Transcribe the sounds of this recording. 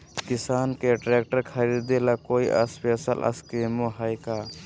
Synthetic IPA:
kisankeʈɾɛk̚ʈəɾkʰɐɾid̪elakoja̰spesəlʔɐ̰skimoɦajka

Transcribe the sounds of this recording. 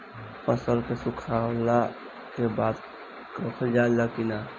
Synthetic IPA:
pəsəlkesukʰaːwla | kebaːd̪ | kəkʰəld͡ʒalakina

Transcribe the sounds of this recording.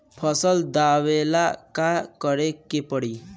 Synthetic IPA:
pʰəsəld̪awelakakəɾekepəɽiː

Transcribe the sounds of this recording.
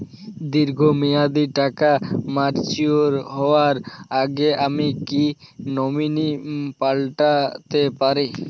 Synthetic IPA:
d̪iɾɡʱomijad̪iʈakamaɾt͡ɕioɾɦɔoaɾaɡeʔamiki | nɔminipalʈat̪epaɾi

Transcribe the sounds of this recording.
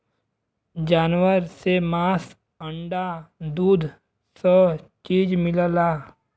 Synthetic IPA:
d͡ʒaːnwəɾsemaːs | ə̃ɳɖad̪uːd̪ʱ | sət͡ʃiːd͡ʒmɪləlaː

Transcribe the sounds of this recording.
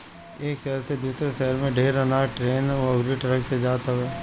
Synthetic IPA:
eːkʃɛɦɾsed̪uːsɾeʃɛɦəɾmẽɖʱeːɾənaʈɾeːnɐɡɾiʈɐɾəksed͡ʒaːt̪aɦɛː

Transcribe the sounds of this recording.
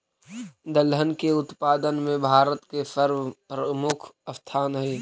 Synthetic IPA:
d̪əlɦənkeʊt̪paːd̪ənmẽbʱaːɾət̪kesəɾʋpɾəmʊkʰɐft̪ʰaːnɦeː

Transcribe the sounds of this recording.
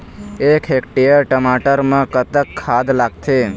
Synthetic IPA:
ekʰɦekʈijəɾʈəmaʈəɾmãkət̪əkʰːad̪laɡ̚t̪ʰe

